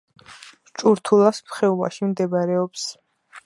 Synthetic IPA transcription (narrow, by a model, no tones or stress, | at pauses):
t͡ʃʼuɾt̪ʰulˠasmχɛuva̰ʃimd̪ɛbaɾɛɔps